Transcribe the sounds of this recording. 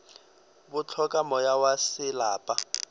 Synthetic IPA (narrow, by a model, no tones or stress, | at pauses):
bʊt͡ɬʰɔkʼamɔjawasɪlaːpʼa